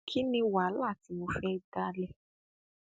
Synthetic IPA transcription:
kʰi˦nĩ˧wa˨˦la˦˨ti˨˧mo˧fɛ˦da˦lɛ˦

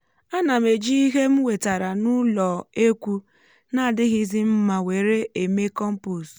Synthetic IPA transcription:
a˦na˨me˨d͡ʒi˦i˦ɦe˦m̩˦we˨ta˨ɾa˨nʊ˦lɔ˨e˦kʷu˦ | na˦˨dɪ˦ɣi˦zi˦m̩˦ma˨we˨ɾe˦e˨me˦kɔ˦m̩˦pu˨s

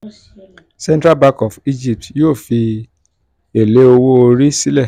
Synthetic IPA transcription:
sɛ̃˦ntɾa˦ba˦˧kɔ˨fi˦d͡ʒi˦˨p̚tjoː˦˨fi˧ | e˨le˨˦o˧wo˦o˧ɾi˦si˦lɛ˦˨

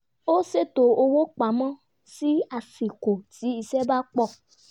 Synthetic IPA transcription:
o˦se˦˨to˨o˧wo˦k͡pa˨˦mɔ̃˦ | si˦a˧fi˨ko˨ti˨˦i˧sɛ˦ba˦k͡pɔ˦˨

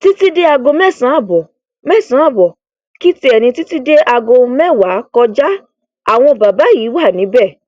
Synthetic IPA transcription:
ti˦ti˦de˦a˧ɡo˧mɛ˦˨sã˨˦a˦˨bɔ˨ | mɛ˦˨sã˨˦a˦˨bɔ˨ | ki˦ti˧˦ɛ˨nĩ˧ti˦ti˦de˦ʔa˧ɡo˧mɛ˦˨wa˨˦kɔ˧d͡ʒa˦ | a̰˦˨w̃ɔ̃˧o˨ba˨ba˨˦ji˨˦wa˦˨nĩ˨˦bɛ˦˨

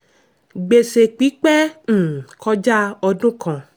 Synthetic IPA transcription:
ɡ͡be˨se˨k͡pi˨˦k͡pɛ˦˨ | kʰɔ˦d͡ʒa˦ɔ˧dũ˦kʰɔ̃˨

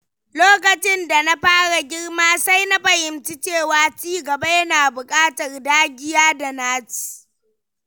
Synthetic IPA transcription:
loː˦kɐ˨t͡ʃɪ˦nda˨na˦ɸaː˦ɽa˨ɡʲɪ˦ɽmaː˦sa˦jna˦ɸɐ˨jɪ˨mt͡ʃɪ˦t͡ʃeː˦˨waː˨t͡ʃiː˦ɡɐ˨ba˦jɐ˦naː˨bʊ˨kʼaː˦tɐ˨rdaː˦ɡʲɪ˦jaː˦da˨naː˦ti̥˨

